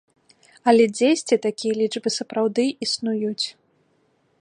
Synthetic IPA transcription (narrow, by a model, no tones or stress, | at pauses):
ɐlʲɛd͡zʲejsʲt͡sʲit̪akʲijɐlʲid͡ʐbɨsɐpɾawd̪ɨʔisnujut͡sʲ